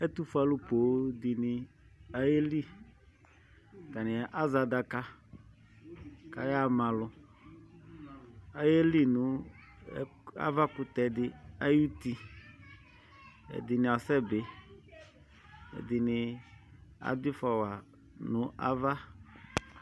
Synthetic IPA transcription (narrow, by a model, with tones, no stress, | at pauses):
ɛ˦t̪u˦fa˨lʊ˦po˨˦d̪ɪ˨nɪ˨ | a˨je˦li˦ | ka˨nɪ̃˨a˨ʔa˦za˨d̪a˨ka˦ | ka˨ja˦mã˨lʊ˨ | a˨je˦li˦nʊ̃˨˦ | a̰˦va˦kʊ˦t̪ɛ˨dɪ˦a˦ju˦t̪i˦ | ɛ̰˨dɪ˨nɪ̃˨a˨sɛ˦be˨ | ɛ̰˨d̪ɪ˨nɪ˨ | a̰˨d̪ɪ˦fɔ˨wa˨ | nʊ̃˨ʔa̰˦va˦